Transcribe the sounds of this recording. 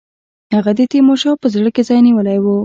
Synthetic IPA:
haɣad̪et̪emoʃawpəzɽəkezɑjniwəlajwu

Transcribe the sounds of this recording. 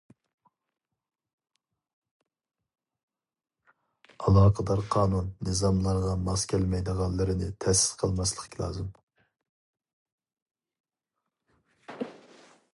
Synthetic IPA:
ɑlˠɑːqʰəd̪ɑɾqʰɑːnunːɨzɑmlˠɑɾʁɑmɑskʲʰælmɛjd̪əʁɑnlˠːɨɾɪnɪt̪ʰɛsɪ̥z̥qʰəlˠmɑslˠəχkʲʰilˠɑ̰ːzɨm

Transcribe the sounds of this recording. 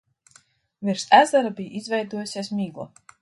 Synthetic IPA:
viɾsæzaɾabijizvʲɛjd̪uɔjusʲiɛsmiːɡlˠɔ̰

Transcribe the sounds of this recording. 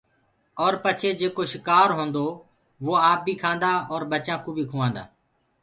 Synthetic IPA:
ɔːɾpət͡ʃʰeːd͡ʒeːkoːʃɪkaːɾɦõːnd̪oː | ʋoːaːp̚bʱiːkʰãːnd̪aːɔːɾbət͡ʃãːkũːbʱiːkʰuːʋãːnd̪a̰ː

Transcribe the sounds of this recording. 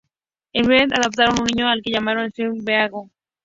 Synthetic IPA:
embeðaðop̚t̪aɾonuniɲoalkeʎamaɾoensibeaɣo

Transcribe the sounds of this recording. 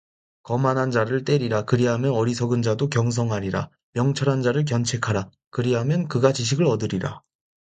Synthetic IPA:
kʌmanɦand͡ʑaɾɯɭt͈e̞ɾiɾakɯɾiɦamjʌnʌɾisʰʌɡɯnd͡ʑadokjʌŋs̬ʰʌŋɦaɾiɾa̰ | mjʌŋt͡ɕʰʌɾɦand͡ʑaɾɯɭk̬jʌnt͡ɕʰe̞kʰaɾa | kɯɾiɦamjʌnkɯɡat͡ɕiɕ̬ʰiɡɯɾʌdɯɾiɾa

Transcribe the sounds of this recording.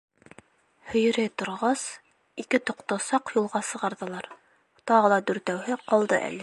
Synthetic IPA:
hɵ̆jɘ̆ɾæjt̪ŏɾʁɑs | ikɘt̪ŏqt̪ɑsɑqjulˠʁɑsɤ̆ʁɑɾðɤ̆lˠɑɾ | t̪ɑʁɤ̆lˠɑd̪ɵ̆ɾt̪æwhɘqɒlˠd̪ɤʔæ̰lɘ

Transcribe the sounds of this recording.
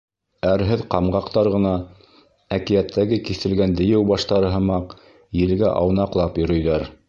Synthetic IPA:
æɾɦɘðqɑmɢɑqt̪ɑɾʁɤ̆nɑ | ækijæt̪ʰːæɡɘkiθɘ̆lɡænd̪ɘ̆jɘwbɑʃt̪ɑɾɤ̆ɦɤ̆mɑq | jɘ̆lɡæʔɑ̰wnɑqlˠɑpjɵ̆ɾɵ̆jðæɾ

